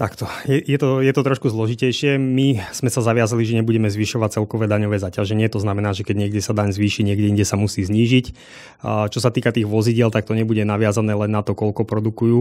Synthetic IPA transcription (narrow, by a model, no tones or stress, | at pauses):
t̪akt̪ɔjɛjɛt̪ɔjɛt̪ɔt̪ɾɔʃkuzlɔʒicɛjʃɪɛmiz̥mɛsazaʋɪazaliʒɛɲɛbuɟɛmɛzʋiːʃɔʋac̚t͡sɛlkɔʋɛːd̪aɲɔʋɛːzacaʒɛɲɪɛt̪ɔznamɛnaːʒɛkɛɟɲɪɛɡɟɛsad̪aɲzʋiːʃiɲɪɛɡɟɛiɲɟɛsamusiːzɲiːʒic | t͡ʃɔsat̪iːkat̪iːɣʋɔziɟɪɛlt̪ak̚t̪ɔɲɛbuɟɛnaʋɪazanɛːlɛnːat̪ɔkɔlkɔpɾɔd̪ukujuː